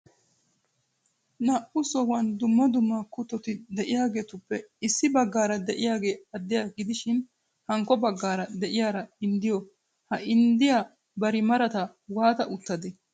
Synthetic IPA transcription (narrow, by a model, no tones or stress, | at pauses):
nɐʔʊsɔwɐnd̪ʊmːɐd̪ʊmːakʊt̪ːɔt̪ɪd̪ɛʔɪjaːɡe̞ːt̪ʊpːɛɪsːɪbɐɡːaːɾɐd̪ɛʔɪjaːɡe̞ːɐd̪ːɪjaɡɪd̪ɪʃɪn | hɐŋkːɔbɐɡːaːɾɐd̪ɛʔɪjaːɾɐɪnd̪ɪjɔ | hɐɪnd̪ɪjaː | bɐɾɪmɐɾɐt̪ɐ | waːt̪ɐʔʊt̪ːɐd̪ɛ